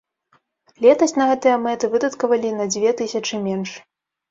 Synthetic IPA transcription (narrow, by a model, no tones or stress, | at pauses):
lʲɛt̪ɐsʲnɐɣɛt̪ɨjɐmɛt̪ɨvɨd̪ɐt̪kɐvɐlʲinɐd͡zʲvʲɛt̪ɨsʲɐt͡ʂɨmʲɛnʂ